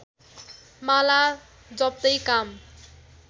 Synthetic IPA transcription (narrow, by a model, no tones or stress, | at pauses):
mala | d͡zʌb̚t̪ʌjkam